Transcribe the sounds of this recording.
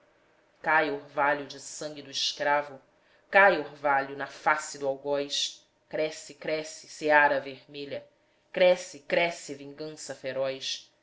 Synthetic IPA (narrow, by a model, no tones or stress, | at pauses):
kajohvaʎʊd͡ʒɪsɐ̃ŋɡʲɪd̪ʊɪʃkɾavʊ | kajoɾvaʎʊnɐfasɪd̪ʊawɡɔjʃ | kɾɛsɪkɾɛsɪ̥seaɾɐveɾmeʎɐ | kɾɛsɪkɾɛsɪvĩŋɡɐ̃sɐfeɾɔjʃ